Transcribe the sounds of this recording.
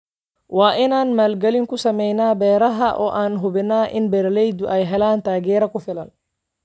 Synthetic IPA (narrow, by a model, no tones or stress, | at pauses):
waːʔinanmɐlɡaliŋkusɐmɛjnaːbɛːɾaɦaʔɔ̰ʔanɦubɛnaːʔinbɛɾlɛjd̪uʔajɦɛlaːnt̪aɡɛɾakufɛlal